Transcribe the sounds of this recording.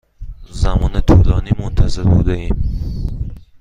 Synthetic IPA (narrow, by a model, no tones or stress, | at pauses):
zamɔːnet̪ʰulɒːnimont̪ʰazeɾbṵd̪æim